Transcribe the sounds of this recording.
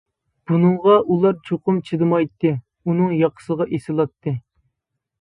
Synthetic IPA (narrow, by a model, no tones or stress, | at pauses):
b̥unɨɴʁɑʔulˠɑɾt͡ʃʰoqʊmt͡ʃʰid̪ɨmɑjt̪ːɨ | unɨŋjɑqʰə̥səʁɑʔesɨlˠɑt̪ʰːɨ